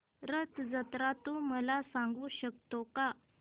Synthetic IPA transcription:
ɾət̪d͡zət̪ɾat̪uməlasãŋɡuːɕək̚t̪oka

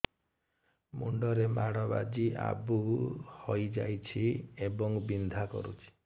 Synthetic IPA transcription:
muɳɖɔɾemaɽɔba̰d͡ʒiʔa̰buhɔjd͡ʒajt͡ʃʰiebɔŋbind̪ʱakɔ̰ɾṵt͡ʃʰi̥

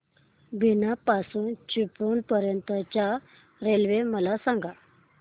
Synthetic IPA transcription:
binapasuːnt͡ɕuponpəɾjənt̪ət͡ɕa | ɾelʋeməlasãŋɡa

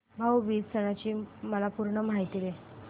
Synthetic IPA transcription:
bʱawʋiːd͡zsəɽ̃at͡ɕiːməlapuɾɳəmaɦjt̪ile

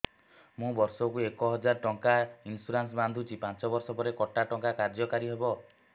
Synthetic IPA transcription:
mũbɔɾsɔkuekɔɦɔd͡ʒaɾʈɔŋkainsuɾans̬band̪ʱut͡ʃipãnt͡ʃɔbɔɾsɔpɔɾekɔʈaʈɔŋkakaɾd͡ʒɔkaɾiɦebɔ

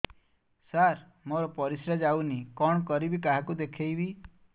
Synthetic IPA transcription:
saɾ | moɾɔpɔɾisɾad͡ʒawnikɔɳ̃ɔkɔɾibikaɦakud̪ekʰejbi

